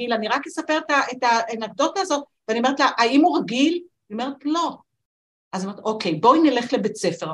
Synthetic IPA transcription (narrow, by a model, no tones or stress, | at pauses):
ilaniʁakjesape̞ʁetaʔetanaɡ̚d̪o̞taːzo̞t̪̚veanieʁet̪laʔaimuʁaɡil | aniome̞ʁetlo̞ | ʔazanoeet̪ʔo̞kʰe̞jbo̞inele̞χlebet͡se̞fe̞ʁ